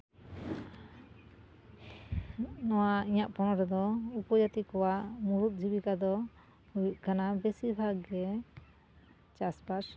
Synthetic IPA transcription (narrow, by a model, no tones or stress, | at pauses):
nɔwaiɲaʔpɔnɔɾɛd̪ɔupɔd͡ʒat̪ikɔwaʔmuɾut̪̚ˀd͡ʒibikad̪ɔ | hujiʔ̚kanabɛsibʱaɡɛ | t͡ʃaspaɾ